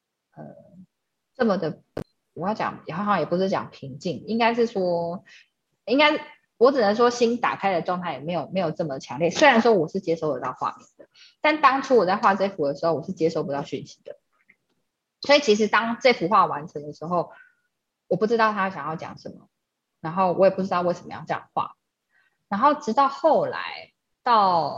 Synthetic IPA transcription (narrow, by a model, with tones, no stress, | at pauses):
ə˨˩ | ʈ͡ʂə˥˩mə˨d̪ə˩ | wɔ˨jɑ˥˩t͡ɕjɑ̰˨˩ŋjxŋjɛ˨˩pu˧˥ʂɻ̩˥˩t͡ɕjɑ̰˨˩ŋpʰi˧˥ŋt͡ɕi˥˩ŋi˧˥ŋka˥ɪʂ̬ɻ̩˥˩ʂwɔ˥ | i˥ŋka˥ɪ | wɔ˨˥ʈ͡ʂ̩˨˩nə˨˦nʂ̬wɔ˥ɕi˦˥nt̪a̰˨˩kʰa˥ɪd̪ə˨˩ʈ͡ʂwɑ˥˧ŋt̪ʰa˥˩ɪjɛ˨˩me˧˥ɪjo˨˩ʊme˧˥ɪjʊʈ͡ʂɤ˥˩mə˨d̪ə˩t͡ɕʰjɑ˧˥ŋlji˥˩swe˥ɻa˧˦nʂwɔ˥wɔ˨˩ʂɻ̩˥˩t͡ɕjɛ˥ʂo˥ʊə˨˩t̪ɑ˥˧ʊxwa̰˥˩mi˨˩nd̪ə˩ | t̪a˥˩nt̪ɑ˥ŋʈ͡ʂʰu˥wɔ˨˩t͡sa˥˧xwa˥˧ʈ͡ʂɤ˥˩ɪfu˨˥d̪ə˩ʂɻ̩˧˥xo˥˩ʊwɔ˨˩ʂɻ̩˥˩t͡ɕjɛ˥ʂo˥˧ʊpu˧˥ɑ˥˧ʊɕy˥˨˩nɕi˧˥˦d̪̥ə˩ | swɔ˧˥i˨˩t͡ɕʰi˧˥ʂ̬ɻ̩˧˥t̪ɑ˥ŋʈ͡ʂe˥˧ɪfu˨˥xwa˥˩wa˧˦nʈ͡ʂʰə˧˦ŋd̪ə˨ʂɻ̩˧˥xo˥˩ʊ | wɔ˨˩pu˥˩ʈ͡ʂɻ̩˥ɑ˥˩ʊt̪ʰa˥ɕjɑ˨˩ŋjɑ˥˩t͡ɕjɑ̰˨˩ŋʂə˨˩nmə̰˨˦ | na˧˥nxo˥˩ʊwʔɔ˨˦jɛ˨˩pu˥˩ʈ͡ʂɻ̩˥t̪ɑ˥˧ʊwe˥˩ʂə˨˩mə̰˧˦jɑ̰˥˩ʊʈ͡ʂɤ˥jɑ̰˨˩xwa̰˥˩ | na˧˥nxo˥˩ʊʈ͡ʂɻ̩˧˥t̪ɑ˥˧ʊxo˥˨ʊla̰˧˥˦ɪ | t̪ɑ˥˩ʊ